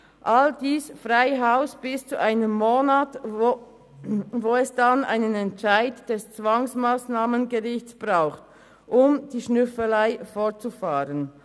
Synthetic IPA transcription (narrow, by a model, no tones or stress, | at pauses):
ʔaldiːsfʁaɪɦaʊsb̥ɪst͡suʔaɪnəmːoːnat | voːɛsd̥anʔa̰ɪnənɛntt͡ʃaɪdd̥ɛst͡sv̥aŋsmaːsnaːmənɡəʁɪçt͡sb̥ʁaʊxt | ʔʊmd̥iːʃnʏfəlaɪfɔɐtt͡sufaːɾən